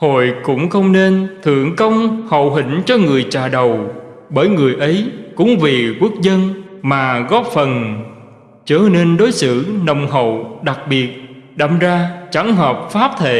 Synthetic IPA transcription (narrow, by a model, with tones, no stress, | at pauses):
ho̰˧˨jkʊ̰˧˥ŋ͡mxə˧wŋ͡mne˧nt̪ʰɨ̰˧˨əŋkə˧wŋ͡mhə̰˧˨wɦï˧˩ŋ̟t͡ɕɔ˧ŋɨ˨˩əjt͡ɕaː˨˩ɗə˨˩wɓəː˧˩jŋɨ˨˩əjʔə˨˦jkʊ̰˧˥ŋ͡mvi˨˩kwu˦˥ək̚zə˧nmaː˨˩ɣɔ˦˥p̚fə˨˩n | t͡ɕəː˧˩ne˧nɗo˨˦jsɨ̰˧˩˨nə˨˩wŋ͡mɦə̰˧˨wɗa˨˩k̚ɓi˨˩ət̚ɗa˧˩ŋzaː˧t͡ɕa˨˧˦ŋɦəː˨˩p̚faː˦˥p̚t̪ʰḛ˧˨